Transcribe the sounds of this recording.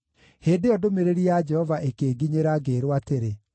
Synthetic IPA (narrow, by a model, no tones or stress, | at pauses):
heːdejɔdomeɾeɾiad͡ʒɛhɔvaʔekeːɡiɲeɾaɡeːɾwateɾe